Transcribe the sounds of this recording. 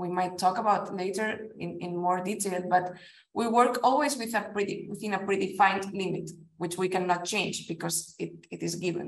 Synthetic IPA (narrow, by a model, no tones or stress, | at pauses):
wimajtʰːɔkabawt̪leɪtə˞ɪ̃nɪ̃nmɔɹd̪iteɪlbʌt̪ | wʔiwəɹkɔlˠwiswiðəpɹiɾiwɪθĩnəpɹiɾifãɪ̃ntlimit̪wɪt͡ʃwikãnːɔt̚t͡ʃẽɪ̃nd͡ʒbikɔzɪtɪtɪzɡɪvə̰̃n